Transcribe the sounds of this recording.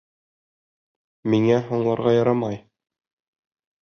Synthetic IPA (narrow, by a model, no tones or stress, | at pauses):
miŋæɦoɴlˠɑɾʁɑjɑɾɑmɑj